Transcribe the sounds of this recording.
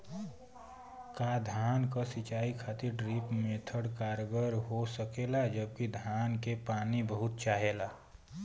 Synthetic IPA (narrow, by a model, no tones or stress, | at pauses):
kaːd̪ʱaːnkasit͡ʃaːikʰaːt̪ɪɾɖɾiːpmeːt̪ʰəɽkaːɾɡəɾɦosəkeːlad͡ʒəb̚kid̪ʱjaːnkepaːnibəɦʊt̪̚t͡ʃaːɦelaː